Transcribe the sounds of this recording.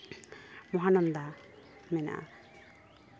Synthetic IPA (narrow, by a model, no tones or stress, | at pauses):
mɔɦanɔnd̪a | mɛna̰